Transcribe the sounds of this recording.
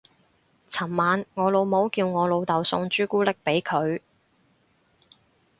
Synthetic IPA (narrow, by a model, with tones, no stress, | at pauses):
t͡sʰɐ˨˩mmaː˨˧nŋɔː˨˧lo˨˧wmo˨˥wkiː˧wŋɔː˨˧lo˨˧wt̪ɐ˨wsʊ˧ŋt͡ʃyː˥kuː˥lɪ˥k̚pe˨˥jkʰɵ˨˧ɥ